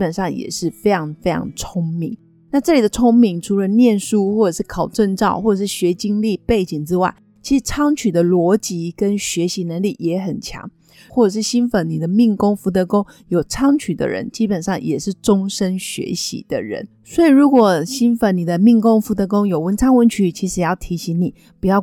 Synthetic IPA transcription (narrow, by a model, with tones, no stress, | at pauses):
pə˨nʂɑ˥˩ŋjɛ̰˨˩ʂɻ̩˥˩fe˥ɪɑ˧˥ŋfe˥ɪjɑ̰˧˥ŋt͡sʰʊ˥ŋmi˧˩˦ŋ | na˥˧ʈ͡ʂɤ˥˩li˨˩d̪ə˩t͡sʰʊ˥ŋmi˧˥ŋʈ͡ʂʰu˧˥lə˧njɛ˥˨nʂu˥xwɔ˥˩ʈ͡ʂɤ˨˩ʂɻ̩˥˩kʰɑ˨˩ʊʈ͡ʂə˥˧ŋʈ͡ʂɑ̰˥˧ʊxwɔ˥˩ʈ͡ʂɤ˨˩ʂɻ̩˥˩ɕɥɛ˧˥t͡ɕi˥ŋli˥˧pe˥˩ɪt͡ɕi˨˩ŋʈ͡ʂɻ̩˥wa˥˩ɪ | t͡ɕʰi˧˥ʂɻ̩˨˩t͡sʰɑ˥ŋt͡ɕʰy˨˩d̪ə˦lwɔ˧˥t͡ɕi˧˥kə˦˥nɕɥɛ˧˥ɕi˧˥nə˧˥ŋli˥˩jɛ˧˥xə˨˩nt͡ɕʰjɑ̰˧˥ŋ | wɔ˥˩ʈ͡ʂɤ˨˩ʂ̬ɻ̩˥˩ɕi˥nfə˧˥nni˨˩d̪ə˦mi˥˧ŋkʊ˥ŋfu˧˥t̪̬ɤ˧˦kʊ˥ŋ | jo˨˩ʊʈ͡ʂʰɑ˥ŋt͡ɕʰy˨˩d̪ə̰˦ɻə̰˧˦nt͡ɕi˥pə˨˩nʂɑ˥˩ŋjɛ˨˩ʂɻ̩˥˩ʈ͡ʂʊ˥ŋʂə˥nɕɥɛ̰˧˥ɕḭ˧˥d̪̥ə̰˧ɻə̰˧˥˦n | swɔ˧˥i˨˩ɻu˧˥kwɔ˨˩ɕi˥nfə˧˥nni˨˩d̪ə˦mi˥˧ŋkʊ˥ŋfu˧˥t̪ɤ˧˦˥k̬ʊ˥ŋjo˨˩ʊwə˧˥nt͡sʰɑ˥ŋwə˧˥nt͡ɕʰy˨˩t͡ɕʰi˧˥ʂɻ̩˧˦jɑ˥˩ʊt̪ʰi˧˥ɕi˧˥ŋni˨˩ | pu˨˩jɑ˥˩ʊ